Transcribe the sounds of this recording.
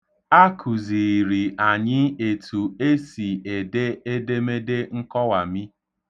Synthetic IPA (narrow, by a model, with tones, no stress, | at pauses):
a˦kʰu˨zi˨ɾi˨a˨ɲɪ˦e˨tʰu˨e˦si˨e˨de˦e˦de˦me˦de˦ŋ̩˦kɔ˦wa˨mi˦